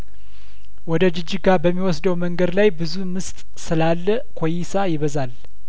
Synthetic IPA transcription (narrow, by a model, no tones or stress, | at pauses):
wɔd̪əd͡ʒɪd͡ʒːɪɡabəmːiwɔsd̪əwməŋɡəd̪lajbɨzumɨst̪ʼ | sɨlalːə | kʰo̞jɪsajɪβəzal